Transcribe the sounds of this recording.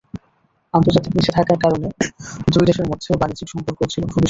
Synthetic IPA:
ant̪oɾd͡ʑat̪ikniʃʰet̪ʰakaɾkaɾoned̪ujd̪eʃeɾmɔd̪ʱːeobanid͡ʑikʃɔmpoɾkot͡ɕʰilokʰubiʃ

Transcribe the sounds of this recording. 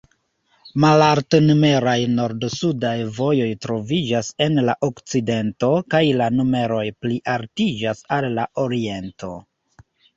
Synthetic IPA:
malaɾtnume̞ɾajno̞ɾdsudajvo̞jo̞jtɾo̞vid͡ʒase̞nlaʔokt͡side̞nto̞kajlanume̞ɾo̞jpliʔaɾtid͡ʒasalːaʔo̞ɾie̞nto̞̰

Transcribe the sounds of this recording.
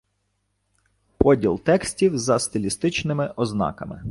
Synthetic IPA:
pɔdʲilˠt̪ɛksʲtʲiwzɐst̪ɪlʲist̪ɪt͡ʃnɪmɪʔɔznɑ̰kɐmɪ̰

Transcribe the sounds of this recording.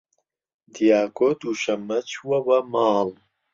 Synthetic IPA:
d̪ijaːkod̪uʃɐmɐt͡ɕʰuwɐwɐmaːl

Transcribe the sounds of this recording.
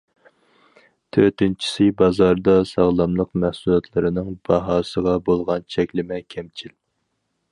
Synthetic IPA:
t̪ʰøt̪ɪnt͡ʃʰi̥sɪbɑzɑɾd̪ɑsɑʁlˠɑmlˠəqmɛhsulˠɛt̪ʰlˠɨɾɨnɨŋbɑɦɑːsəʁɑbolˠʁɑnt͡ʃʰɛkʲlɪmɛkʲʰɛmt͡ʃʰil

